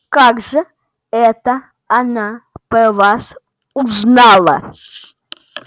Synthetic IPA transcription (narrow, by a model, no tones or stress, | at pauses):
kaɡʐɨ | ɛt̪ɐ | ɐnapəvas | uznalˠɐ̰